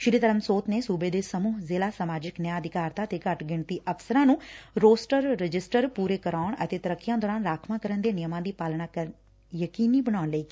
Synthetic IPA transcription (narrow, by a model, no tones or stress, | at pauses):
ʃɪɾiːt̪əɾəmsoːt̪neːsuːbeːd̪eːsəmuːɦzeːlaːsəmaːd͡ʒɪknɪjaːəd̪ɪkaːɾd̪aːət̪eːkəʈɡɪɳt̪iːʔəfsəɾãːnũːɾoːsʈəɾːɪd͡ʒɪsʈəɾpuːɾeːkəɾaːɳə̰t̪eːt̪əɾəkːɪjãːd̪ɔːɾaːnɾaːkʰmãːkəɾənd̪eːnɪjəmãːd̪iːpaːlɳaːkə | jəkiːniːbəɽ̃aːʊɳləiː